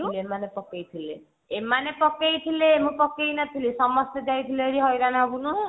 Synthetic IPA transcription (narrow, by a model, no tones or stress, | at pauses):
leemanepɔkejt̪ʰile | emanepɔkejt̪ʰilemũpɔkejnat̪ʰilisɔmɔst̪ed͡ʒajt̪ʰileeɾiɦɔjɾanaɦɔɡunu